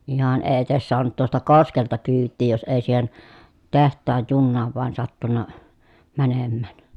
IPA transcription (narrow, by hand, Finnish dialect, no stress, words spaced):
ihɑn eː etes soɑnut tuostɑ koskeltɑ kyːtːiː jos eˑi siːhen tehtˑɑːj junːɑːʋ ʋŭɑn sɑtːunːɑ mænemːæˑn